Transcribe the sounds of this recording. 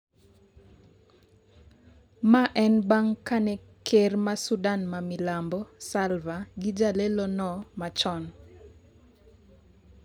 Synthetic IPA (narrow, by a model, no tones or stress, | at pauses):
maʔɛnbaŋkanɛ | kʰermasudanmamilambɔsalvaɡɪd͡ʒalelɔnɔmat͡ʃɔn